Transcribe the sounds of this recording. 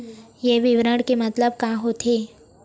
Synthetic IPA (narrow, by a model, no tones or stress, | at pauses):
jeʋɪʋɾəɽkemɐt̪ləb̚kãɦot̪ʰeː